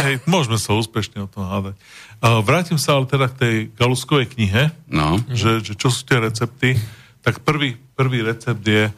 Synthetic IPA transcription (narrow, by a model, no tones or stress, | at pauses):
ɦɛjmʊɔʒmɛsauːspɛʃɲɛɔt̪ɔmɦad̪acː | ʋɾaːcimsaalɛt̪ɛd̪ak̚t̪ɛjɡaluskɔʋɛjkɲiɦɛnɔ̰ʒɛʒɛt͡ʃɔs̬u̥ːt̪ɪɛɾɛt͡sɛp̚t̪i | t̪akpr̩ʋiːpr̩ʋiːɾɛt͡sɛb̚d̪jɛ